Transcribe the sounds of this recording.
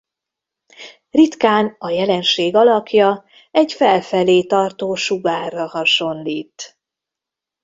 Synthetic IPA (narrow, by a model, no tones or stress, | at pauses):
rit̪kaːnɒjɛlɛnʃeːɡɒlɒkʰjɒ | ɛɟfɛlfɛleːt̪ɒrt̪oːʃuɡaːrːɒhɒʃo̞nliːt̪